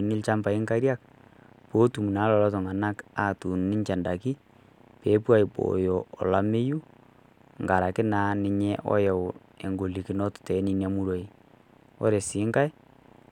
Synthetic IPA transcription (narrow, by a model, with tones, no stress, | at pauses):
nɪ˦lt͡ʃa˦mpa˨i˦ŋka˦ɾja˦k̚ | poː˦tu˨mu˨na˨˦lɔ˨lɔ˦tɔ˨ŋa˨na˦ka˨tu˨nnɪ˦t͡ʃa˨nda˨ki˦ | pe˨˦pwa˦˨jpo̰˨jɔ˨ɔ̰˨la˨me˦ju˦ | ŋɡa˨ɾa˨kɪ˦naː˨˦nɪ˨ɲɛ˦ʔɔ̰˦jɛ˨w | e˨ŋɡo˨li˨kɪ˨nɔ˦ttɛ˨˦ni˨na˨mu˦ɾwo˨i˨ | ɔ̰˦ɾe˨sɪ˨˦ŋɡa˦j